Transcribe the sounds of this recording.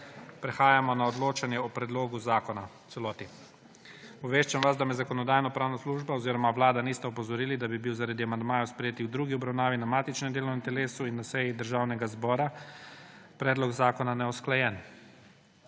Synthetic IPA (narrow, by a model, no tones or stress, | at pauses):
pɾɛxaːjamɔnaɔd̪loːt͡ʃanjɛɔpɾɛd̪loːɡuzakɔnat̪sɛlɔːt̪i | ɔʋeːʃt͡ʃamʋazd̪amɛzakɔnɔd̪aːjnɔpɾaːwnasluʒbaɔziɾɔmaʋlaːd̪anist̪ɛɔpɔzɔɾiːlid̪abibiwzaɾad̪iamand̪maːjɔspɾɛjeːt̪ixwd̪ɾuːɡiɔbɾawnaːʋinamaːt̪it͡ʃnɛmd̪eːlɔwnɛmt̪ɛleːsuinːasɛjid̪əɾʒaːwnɛɡazbɔːɾa | pɾɛːd̪lɔkzaːkɔnanɛɔsklajɛn